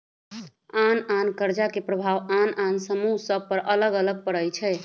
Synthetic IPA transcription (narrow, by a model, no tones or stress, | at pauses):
anankəɾd͡ʒakepɾəbʱaʋanansəmuɦsəb̚pəɾʔələɡələɡ̚pəɽəjt͡ʃʰɛ